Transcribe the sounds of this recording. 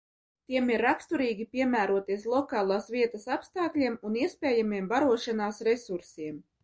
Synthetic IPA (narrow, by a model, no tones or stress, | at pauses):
t̪iɛmiɾːakst̪uɾiːɡʲipʲiɛmæːɾuɔt̪iɛslˠɔkɑːlˠaːsvʲiɛt̪asapst̪aːklʲiɛmuniɛspʲɛːjamiɛmbaɾuɔʃanaːsɾesuɾsiɛm